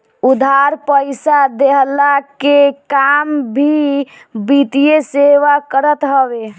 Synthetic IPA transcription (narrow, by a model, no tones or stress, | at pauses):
ud̪ʱaɾpəjsad̪eɦlakekambʱi | bit̪ijeseʋakəɾət̪ɦəbe